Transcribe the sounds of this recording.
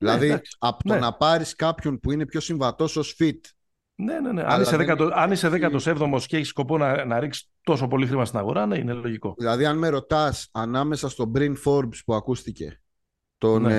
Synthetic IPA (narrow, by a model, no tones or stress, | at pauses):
ðilɐðikɐpo̥noenɐpɐɾiskɐpço̞npuine̞pço̞siɱvɐt̪o̞so̞sfit̪ | neneneʔɐ̰iseðekɐt̪oɐniseðekɐt̪osevðo̞mo̞sceçisko̞po̞nɐnɐɾiksi̥t̪o̞s̬o̞po̞lixɾimɐst̪inɐɣo̞ɾɐneineloʝiko̞ðilɐðiɐnme̞ɾo̞t̪ɐsɐnɐme̞sɐst̪o̞bɾind̪fo̞ɾbspuɐkust̪ice̞̰ | t̪o̞n